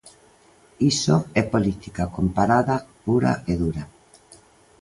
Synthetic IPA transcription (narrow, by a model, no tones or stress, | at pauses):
isoɛpolit̪ikakompaɾaðapuɾa̰eðuɾa